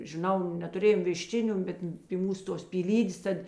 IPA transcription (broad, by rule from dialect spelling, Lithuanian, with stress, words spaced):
ʒʲɪˈnɐʊ nʲɛtʊˈrʲeːjoːm ʋʲɪˈʃʲt͡ʃʲɪnʲʊ ˈbʲɛt pʲɪ ˈmuːs ˈtoːs pʲiːˈlʲiːdʲeːs ˈtɐt